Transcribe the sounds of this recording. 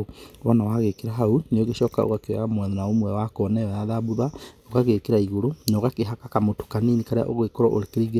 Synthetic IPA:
wanawaɣekeɾaɦauneoɣeʃɔːkao̰ɣakewɛ̰amwɛðɔnaomwɛwakɔnɛajaðabuðaokaɣekeɾaiɣoɾonoɣakeɦakakamoto̥kaniːnikaɾea̰ʔoɣwekoɾɔʔo̰ɾekeɾiɣe

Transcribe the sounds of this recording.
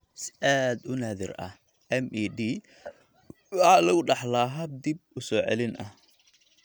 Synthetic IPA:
sɪ̥ʔaːd̪ʊnaːðɪ̰rɐ̰h | ɛmiːɖiː | lɐɣʊɖɑħlaːɦɐb̚d̪ib̚ʊsɔːʕɛ̰lɪnʔɐ̰h

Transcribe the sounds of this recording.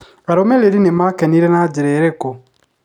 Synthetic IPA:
aɾomeleɾinemakɛniɾɛnad͡ʒeɾeɾeko

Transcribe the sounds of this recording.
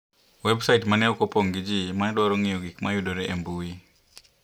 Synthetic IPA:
wɛbsaitmanɛukɔpɔŋɡid͡ʒimaɛɗwaɾɔŋijɔɡikmajuɗɔɾɛʔɛmbui

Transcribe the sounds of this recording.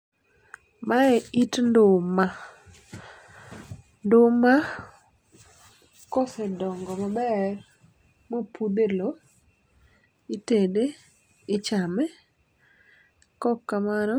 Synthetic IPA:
maɛitndʊma | ndʊma | kosedɔŋɡɔmabɛr | mopud̪elo | itede | ɪt͡ʃamɛ | kɔkːamanɔ

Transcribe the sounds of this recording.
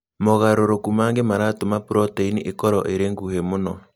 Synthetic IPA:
moɣaɾoɾokumaːŋɡemaɾaːtomapuɾɔteiniʔekɔɾɔ̰ʔeɾeŋɡuhemonɔ

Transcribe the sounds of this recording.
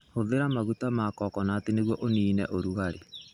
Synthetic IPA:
hoðeɾamaɣutamaːkɔkɔnaːteneɣwɔʔoniːnɛ̰ʔoɾuɣaɾe

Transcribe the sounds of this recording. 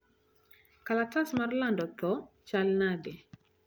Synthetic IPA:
kalatasmarlandɔt̪ɔt͡ʃalnadɛ

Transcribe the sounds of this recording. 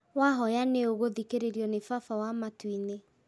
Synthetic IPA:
waɦɔjaneoɣoðikeɾeɾjɔnefafawamatwine

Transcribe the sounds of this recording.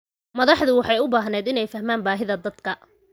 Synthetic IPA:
mɐðɑħðʊwɑħɑjʊbaːɦnɛːd̪ɪnɛjfɐɦmaːnbaːɦɪðɐd̪ɐd̪kʰɐ

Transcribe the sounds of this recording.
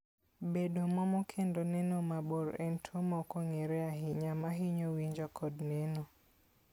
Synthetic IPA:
bedomɔmɔkʰendɔnɛnomaboɾɛ̰ntʰomɔkɔŋeɾɛaɦɪɲamaɦiɲowiɲd͡ʒɔkʰɔdnɛnɔ

